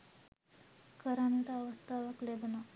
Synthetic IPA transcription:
kʰəɾanit̪aːʋəst̪aʋəklebna

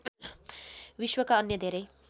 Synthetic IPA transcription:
ʋiʃwʌkaʌnjʌd̪ʱeɾej

